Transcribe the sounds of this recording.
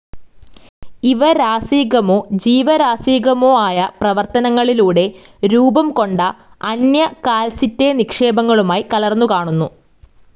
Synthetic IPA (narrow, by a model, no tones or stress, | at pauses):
iʋɐɾaːsiːɡɐmoːd͡ʑiːʋɐɾaːsiːɣɐmoːaːjɐprɐʋɐrt̪ɐnɐŋːɐɭiluːɽe̞ | ɾuːbɐmko̞ɳɖɐɐnjɐkaːlsitːe̞nikʂe̞ːbɐŋːɐɭumaːjikɐlɐrnːukaːɳunːu